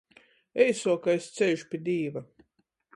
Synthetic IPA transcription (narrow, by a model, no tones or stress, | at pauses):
ɛjsuɔkaest̪sejʃu̥pʲiɛd̪ʲiːva